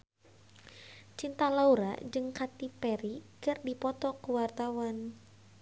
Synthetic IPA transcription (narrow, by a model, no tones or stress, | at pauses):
t͡ʃint̪alauɾa̰d͡ʒɨŋkat̪ipɛɾikɨrdipɔt̪ɔkuwart̪awan